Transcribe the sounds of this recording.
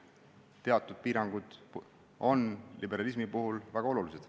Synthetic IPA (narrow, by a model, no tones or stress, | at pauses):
t̪e̞ɑt̪ːˑud̪̥̚piːɾɑŋɡ̥ud̪̥ | o̞nlibe̞ɾɑlis̬mipuɦulvæɡ̥ɑo̞lulised̪̥